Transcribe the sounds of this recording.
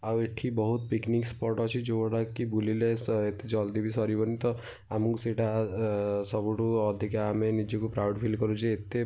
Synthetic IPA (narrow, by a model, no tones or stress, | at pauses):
aweʈʰibɔɦut̪̚piknikspɔɾʈɔt͡ʃʰid͡ʒoɔɽakibulileset̪ed͡ʒɔld̪ibʱisɔɾibɔnit̪ɔ | amũkseʈa | sɔbuʈuɔd̪ʱikaamenid͡ʒekupɾawɖpʰilkɔɾud͡ʒʰiːt̪e